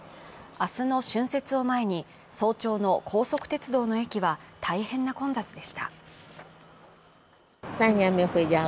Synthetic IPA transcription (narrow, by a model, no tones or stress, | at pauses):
asɨno̞ɕɨ̃ɰ̃se̞t͡sɨo̞mae̞ɲ̟i | so̞ːt͡ɕo̞ːno̞kʰo̞ːso̞kɯ̟̥t̪e̞t͡sɨd̪o̞ːno̞e̞kʲiβat̪ʰaihẽ̞nːakõ̞nzat͡sɨd̪e̞ɕi̥t̪ḁ | faɲiameɸɯida